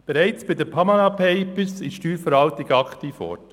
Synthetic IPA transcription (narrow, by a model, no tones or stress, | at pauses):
b̥eɾæɪt͡sb̥ɪdəpʰɑmɑnɑpʰɛɪpəsɪʃʃtyːɾfəɾʋɑltɪɡəɑkt̪iːfɔ̰ɾt